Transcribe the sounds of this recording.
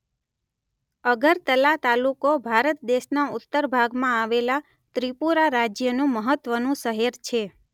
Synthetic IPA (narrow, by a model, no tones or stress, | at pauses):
əɡəɾt̪əlat̪alukobʱaɾət̪̚d̪eʃnaʊt̪ːəɾbʱaɡmãaʋela | t̪ɾipuɾaɾad͡ʒjənũməɦət̪ʋənũsəɦeɾt͡ʃʰe